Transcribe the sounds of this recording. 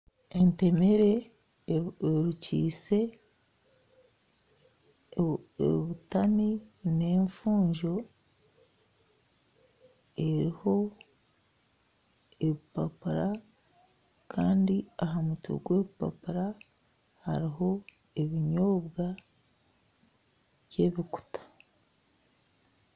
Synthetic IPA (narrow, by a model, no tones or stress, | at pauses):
ente̞meɾe̞ | ɾucḭːse̞ | eβutamine̞ːɱfuːɲʒo̞ | e̞ɾiho̞ | eβipapuɾa | kʰaːndiaɦamutṵɡwe̞βipa̰puɾa | ha̰ɾiɦo̞ | eβiɲoːβɡa | βje̞βiku̥tḁ